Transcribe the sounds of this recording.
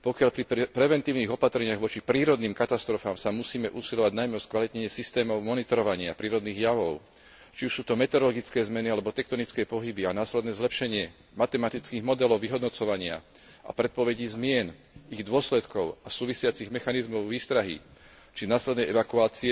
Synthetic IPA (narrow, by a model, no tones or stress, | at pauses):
pɔkɪaʎpɾipɾɛʋɛnt̪iːʊniːɣɔpat̪ɾɛɲɪaɣʋɔt͡ʃipɾiːɾɔd̪niːmkat̪ast̪ɾɔfaːmsamusiːmɛʔuːsiʎɔʋaɟnajmɛɔskʋalit̪ɲɛɲɪɛsist̪ɛːmɔʊmɔnit̪ɔɾɔʋaɲɪapɾiːɾɔd̪niːɣjaʋɔʊ | t͡ʃiuʃsuːt̪ɔmɛt̪ɛɾɔlɔɡit͡skɛːzmɛnialɛbɔt̪ɛk̚t̪ɔnit͡skɛːpɔɦibianaːslɛd̪nɛːzlɛpʃɛɲɪɛ | mat̪ɛmat̪it͡skiːɣmɔd̪ɛlɔʊʋiɦɔd̪nɔt͡sɔʋaɲɪa̰ | ʔa̰pɾɛt̪̚pɔʋɛɟiːzmɪɛn | iɣd̪ʊɔslɛt̪kɔʊasuːʋisɪat͡siɣmɛxanizmɔʊʋiːst̪ɾaɦḭ | t͡ʃinaːslɛd̪nɛjɛʋakuaːt͡siɛ